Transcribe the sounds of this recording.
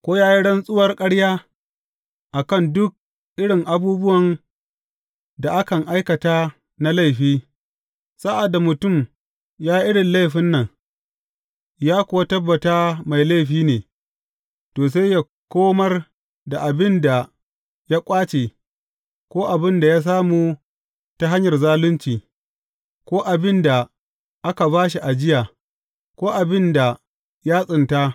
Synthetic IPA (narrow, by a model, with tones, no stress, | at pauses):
kʷoː˦jaː˦ji˦ɽɐ˦nsʼʊ˦wɐ˨rkʼɐ˦ɽjaː˦ | ʔa˨kɐ˦˨ndʊ˦k̚ | ʔɪ˦ɽɪ˨ŋʔa˨buː˦bʊ˦wɐ˨n | da˨ʔa˦kɐ˨ŋʔa˦jkɐ˨taː˦ | na˦la˦˨jɸiː˦ | sa˦ʔa˨da˨mʊ˨tʊ˦˨m | jaː˦ji˦ʔɪ˦ɽɪ˨nla˦jɸɪ˦nːɐ˨ŋ | jaː˦kʷʊ˨wa˦tɐ˦bːɐ˨taː˦ma˨jla˦˨ɸiː˦neː˨ | toː˨s̬a˦jja˨ | kʷoː˦mɐ˦r | da˨ʔa˨bɪ˦nda˨ | jaː˦kʷʼaː˦t͡ʃeː˨ | kʷoː˦ʔa˨bɪ˦nda˨jaː˦s̬aː˦muː˦ | ta˦ɦa˦ɲjɐ˨rzaː˦lʊ˦nt͡ʃiː˨ | kʷoː˦ʔa˨bɪ˦nda˨ | ʔa˦ka˨baː˦ʃ̬i˨ʔa˨d͡ʒɪ˦jaː˨ | kʷoː˦ʔa˨bɪ˦nda˨ | jaː˦sʼɪ˨nta˦